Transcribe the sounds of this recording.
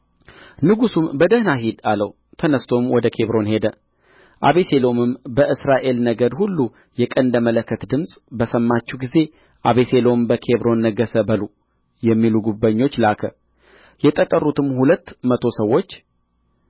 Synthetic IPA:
nɨɡusumbəd̪əhnaɦid̪aləw | t̪ʰənəst̪ʰo̞mwɔd̪əkʰe̞βɾo̞nhe̞d̪ə | ʔaβese̞lo̞mɨmbəʔɨsɾaʔe̞lnəɡəd̪hulːu | jɛkʼənd̪əmələkːət̪d̪ɨmsʼbəsəmːat͡ʃːuɡize̞ | ʔaβeselo̞mbəkʰe̞βɾo̞nːəɡəsəbəlu | jɛmːiluɡubːaɲːo̞t͡ʃːlakʰə | jɛt̪ʼət̪ʼːərːut̪ɨmhulət̪ːmət̪ʰo̞səwːo̞t͡ʃː

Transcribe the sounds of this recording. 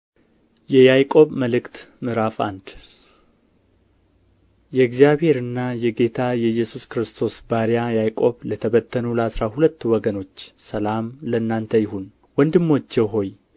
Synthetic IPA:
jɛjajkʼo̞βməlɨkt̪mɨɾafa̰nd̪̥ | jɛɡzijaβhe̞ɾɨnːajɛɡe̞t̪ʰajɛjːɛsuskɾɨst̪ʰo̞sbaɾijajajkʼo̞βlət̪ʰəβət̪ʰːənuləasɾahulət̪ːwɔɡəno̞t͡ʃːsəlamləɨnːant̪ʰəjɪɦun | wɔnd̪ɨmːot͡ʃːɛwɦo̞j

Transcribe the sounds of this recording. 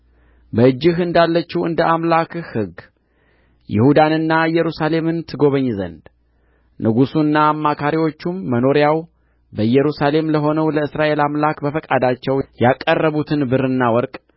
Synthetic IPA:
bəɨd͡ʒːɪɦɨnd̪alːət͡ʃːuwɨ̰nd̪əʔamlakhɨɡ | jɪ̰hud̪anɨnːaɨjːɛɾusale̞mɨnt̪ʰɨɡo̞βəɲːzə̰nd̪ | nʔɨɡusunːaːmːakʰaɾiwo̞t͡ʃːumːəno̞ɾjaw | bəjɛɾusale̞mləɦo̞nəwləɨsɾaʔe̞lamlakbəfəkʼad̪at͡ʃːɛwjakʼːərːəβut̪ʰɨnbɨɾɨnːawɔɾkʼ

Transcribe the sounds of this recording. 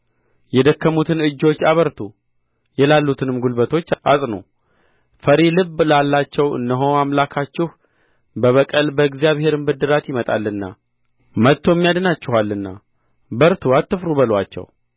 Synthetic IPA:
jɛd̪əkːəmut̪ʰɨnɨd͡ʒːo̞t͡ʃːaβəɾt̪ʰu | jɛlalːut̪ʰɨnɨmɡulbət̪ʰo̞t͡ʃːa̰sʼno̰ | fəɾilɨβlalːat͡ʃːɛwɨ̰nːəɦo̞amlakʰat͡ʃːɪh | bəβəkʼəlbəɡzjaβhe̞ɾɨmbɨd̪ːɨɾat̪jɪmət̪ʼa̰lːɨnːa̰ | mət̪ʰːo̞mːjad̪nat͡ʃːɪhalːɨnːa̰ | bəɾt̪ʰuat̪ːɨfɾuβəlwat͡ʃːɛ̰w

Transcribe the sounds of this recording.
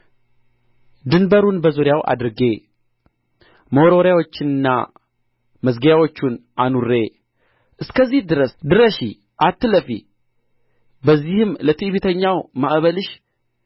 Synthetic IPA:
d̪ɨnbəɾunbəzuɾjawʔa̰d̪ɨɾɡe̞ | mowɾoɾjawo̞t͡ʃːɪnɨnːa̰ | məzɡəjawo̞t͡ʃːunʔanuɾːe̞ | ʔɨskəzːihd̪ɨɾəsd̪ɨɾəʃi | ʔat̪ːɨləfḭ | bəzːihɨmlət̪ʰiʔβit̪ʰəɲːawmaʔβəlɨʃ

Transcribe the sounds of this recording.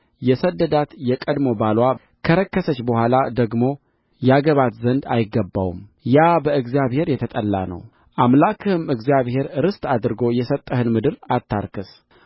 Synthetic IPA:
jɛsəd̪ːəd̪at̪jɛkʼəd̪mo̞balwa | kʰəɾəkːəsət͡ʃːbəhʷalad̪əɡmo̞ | jɛaɡəβat̪zənd̪ajɪɡːəbːa̰wṵmjabəɨɡzijaβhe̞ɾjɛt̪ʰət̪ʼəlːa̰nə̰w | ʔamlakʰɨhɨmɨɡzijaβhe̞ɾɾɨst̪ʼad̪ɾɨɡo̞jɛsət̪ʼːəhɨnmɨd̪ɨɾat̪ʰːa̰ɾkʰɨs

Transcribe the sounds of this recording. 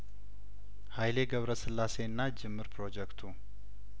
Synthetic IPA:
hajle̞ɡəβɾəsɨlːase̞ɨnːad͡ʒɪmːɨɾpʰɾo̞d͡ʒɛkt̪ʰu

